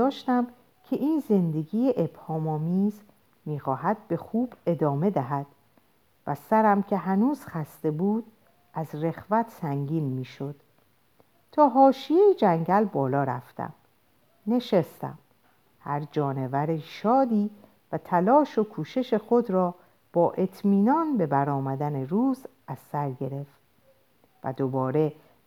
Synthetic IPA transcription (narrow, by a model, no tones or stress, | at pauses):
ɒːʃt̪æm | cʰe̞ʔiːnze̞nd̪e̞ɡiːjeʔeb̥hɒːmɒːmiːz | miːxɒːɦæd̪̚be̞xuːb̥e̞d̪ɒːme̞d̪æɦæd̪̥ | væsæɾæmcʰe̞ɦænuːz̥xæst̪e̞buːd̪̥ | ʔæzre̞xvæt̪ʰsæŋɟiːnmiːʃo̞d̪̥ | t̪ʰɒːɦɒːʃijejid͡ʒæŋɟælbɒːlɒːɾæft̪æ̰m | ne̞ʃest̪æ̰m | hæɾd͡ʒɒːne̞væɾiʃɒːd̪iː | væt̪ʰælɒːʃo̞kʰuːʃe̞ʃe̞xo̞d̪ɾɒː | b̥ɒːʔe̞t̪ʰmiːnɒːnbe̞bæɾɒːmæd̪æneɾuːz | æz̥ːæɾɟe̞ɾe̞ft̪ | væ̰d̪obɒːɾe̞